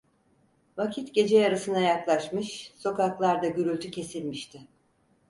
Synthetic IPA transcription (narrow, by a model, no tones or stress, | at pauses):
vacʰit̪ɟe̞d͡ʒejaɾasɯnajaklˠaʃmɯʃso̞kaklˠaɾd̪aɟyɾylʲt̪ʰycʰe̞silʲmiʃt̪ʰɪ